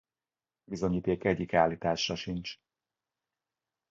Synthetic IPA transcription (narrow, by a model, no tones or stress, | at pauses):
bizo̞ɲiːt̪eːkɛɟːikaːliːt̪aːʃrɒʃint͡ʃ